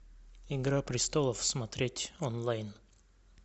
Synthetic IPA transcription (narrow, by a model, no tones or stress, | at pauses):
ɪɡɾapɾʲɪst̪olˠəfsmɐt̪ɾʲetʲonlˠajn